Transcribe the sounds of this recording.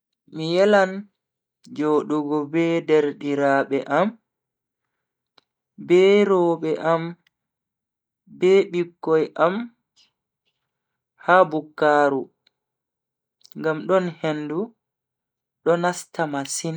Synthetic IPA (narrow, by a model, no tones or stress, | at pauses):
mijɛlan | d͡ʒoːɗuɡɔbɛdɛɾɗiɾaːɓɛʔam | bɛɾɔːɓɛʔam | bɛɓikːɔjʔam | habukːaːɾu | ŋɡamɗɔnhendu | ɗɔnastamasin